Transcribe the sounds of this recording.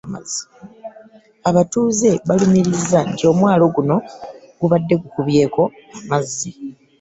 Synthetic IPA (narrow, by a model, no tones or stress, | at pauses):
ma̰zi̥ | aβatuːze̞βalumiɾizːantjo̞ːmwaːlo̞ɡuno̞ | ɡuβadːe̞kukuβje̞ːko̞amazːi